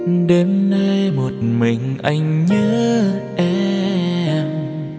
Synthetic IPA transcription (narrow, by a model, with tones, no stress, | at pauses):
ɗe˨˦nːa˧jmo˨˩t̚mï˨˩ŋ̟ʔa˧jŋ̟ɲəː˨˦ʔɛ˧˥ | m